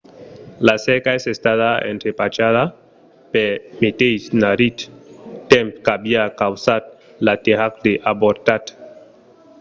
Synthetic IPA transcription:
lasɛkaesest̪aðaḛnt̪ɾepat͡ʃaða | peɾmet̪ejsnaɾit̪tempkabiakawsat̪̚ | lat̪ehakd̪eʔaboɾt̪at̪

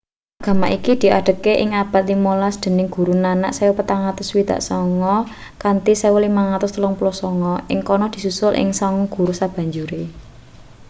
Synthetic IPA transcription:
ʔaɡ̥a̤maʔikid̪̥i̤ʔa̰ɖ̥ə̤keʔɪŋab̥a̤t̪̚limolasd̪̥ə̤nɪŋɡ̥ṳɾunana̰ʔsɛwəpət̪aŋat̪ʊswid̪̥a̰ʔsɔŋɔ | kant̪isewəlimaŋat̪ʊst̪əlɔŋpulɔsɔŋɔʔɪ̰ŋkɔnɔd̪̥i̤susʊlʔɪ̰ŋsɔŋɔɡ̥ṳɾusab̥a̤ɲd͡ʒuɾe

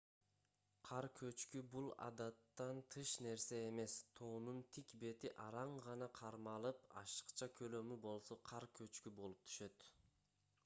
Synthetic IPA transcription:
qʰɑɾkʰø̞t͡ʃkybulˠɑ̰d̪ɑt̪ːɑnt̪ʰɯʃne̞ɾse̞ːme̞st̪ʰoːnunt̪ʰikbe̞t̪iʔɑɾɑɴʁɑnɑqʰɑɾmɑlˠɯpɑ̰ʃɯ̥qt͡ʃɑkʰø̞lø̞mybo̞lˠso̞qʰɑɾkʰø̞t͡ʃkybo̞lˠup̚t̪ʰy̥ʃø̞t̪

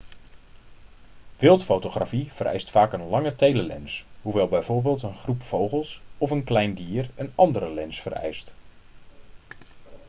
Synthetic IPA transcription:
ʋɪlˠtfowtoχra̰fiv̥ərʔɛ̰jstfaːkənlɑŋətejləlɛ̰nshuʋɛlˠbɛjvoːɹbeːlˠtənχrupfowχəlˠsɔfənklɛjndiːərənɑndəɾəlɛnsfə̰rɛ̰jst

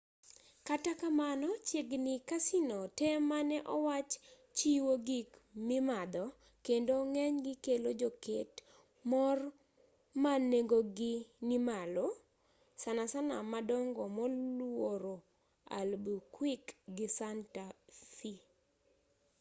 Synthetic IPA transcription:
katakamanɔt͡ʃeɡnikasinɔtemanɛʔɔwat͡ʃ | t͡ʃiwoɡikmimad̪ɔ | kendoŋɛɲɡɪkelod͡ʒoket | mɔr | maneɡoɡɪnimalo | sanasana̰madɔŋɡɔmɔlwwoɾo | a̰lbukwikɡɪsantasi

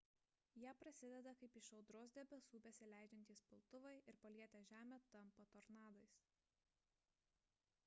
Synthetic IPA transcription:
jæːpɾɐsʲɪd̪ʲɛd̪ɐkɐɪpɪʃɒʊd̪ɾoːsd̪ʲɛbʲɛsuːbʲɛsʲɪlʲæˑɪd͡ʒʲɛnʲt̪ʲiːspʲɪlˠt̪ʊʋɐɪʔɪɾpɐlʲiɛt̪ʲæːʒʲæːmʲɛt̪ɐmpɐt̪ɔɾnɑːd̪oɪs

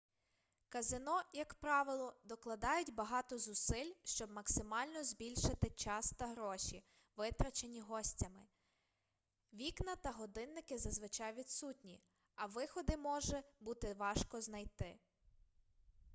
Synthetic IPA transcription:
kɐzɪnɔjɐkpɾɑʋɪlˠɔd̪ɔklˠɐd̪ɑjʊtʲbɐɦɑt̪ɔzʊsɪlʲʃt͡ʃɔb̚mɐksɪmɑlʲnɔzbʲilʲʃɪt̪ɪt͡ʃɑst̪ɐɦɾɔʃʲi | ʋɪt̪ɾɐt͡ʃenʲiɦɔsʲtʲɐmɪ | ʋʲiknɐt̪ɐɦɔd̪ɪnːɪkɪzɐzʋɪt͡ʃɑjʋʲid̪sutʲnʲi | ɐʋɪxɔd̪ɪmɔʒɛbut̪ɪʋɑʃkɔznɐjt̪ɪ

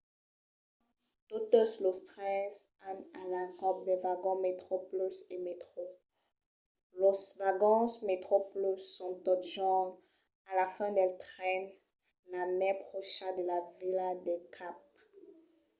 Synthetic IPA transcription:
t̪ot̪oslost̪χɛsanalakɔp̚d̪ɛvaɡɔ̃met̪χoplysemet̪χo | losvaɡɑ̃smet̪χoplysːɔ̃t̪ɔt̪ʒɔn | alafɛ̃d̪ɛlt̪χɛn | lamɛʁpχoʃad̪əlavilad̪ɛkʰap̚

